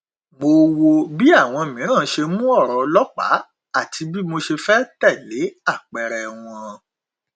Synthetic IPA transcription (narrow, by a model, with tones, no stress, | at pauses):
mo˧wo˧bi˦a˦˨w̃ɔ̃˧o˨mĩ˨˦ɾ̃ã˦˨˧ʃe˧mũ˦ɔ˦˨ɾɔ˨lɔ˦k͡pa̰˨˦ | a˦˨ti˧bi˦mo˧ʃe˧fɛ˦tɛ˦˨le˨˦a˦˨k͡pɛ˨ɾɛ˨w̃ɔ̃˧